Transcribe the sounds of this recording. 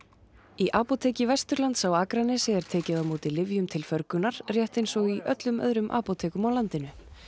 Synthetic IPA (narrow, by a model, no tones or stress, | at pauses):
iʔaːpot̪ʰɛːcɪvɛst̪ʏɾlant̪sawaːkɾanːɪsɪɛɾ̥t̪ʰɛːcɪðamuːt̪ilɪvjʏmt̪ʰɪlfœɾkʏnaɾ̥r̥jɛht̪ejnsɔɣiʔœ̰t̪lʏmœ̰ðɾʏmʔa̰ːpot̪ʰɛːkʏmawlant̪ɪnʏ